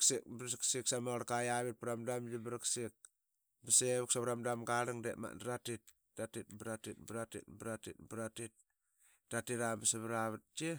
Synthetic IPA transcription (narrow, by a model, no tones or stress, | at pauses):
ksik̚bɾsiksiksamoɾakajaβit̚piɾamdamd͡ʒibiɾaksik̚ | biseβuk̚saβɾamdamɡaɾiŋdḛma̰ndɾatit̚ | datit̚bɾatit̚bɾatḭt̚bɾatḭt̚bɾatit̚ | d̥atiɾambasaβɾaβat̚d͡ʒe